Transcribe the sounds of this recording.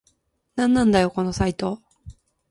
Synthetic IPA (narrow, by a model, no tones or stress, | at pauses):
nãnːãnd̪ajo̞ko̞no̞sait̪o̞